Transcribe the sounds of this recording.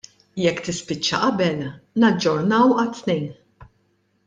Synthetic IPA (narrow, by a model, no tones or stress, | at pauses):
jɛkːt̪ɪspɪt͡ʃːɐ̰ʔɐbɛlnɐd͡ʒːɔɾnɐwɐt̪ːnɛjn